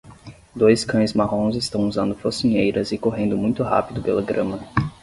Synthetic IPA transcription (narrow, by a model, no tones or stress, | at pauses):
d̪ojskɐ̃j̃zmaɦõzɪst̪ɐ̃w̃uzɐ̃nd̪ʊfosiɲejɾɐzɪkoɦẽnd̪ʊmũj̃t̪ʊɦa̰pid̪ʊpelɐɡɾɐ̃mɐ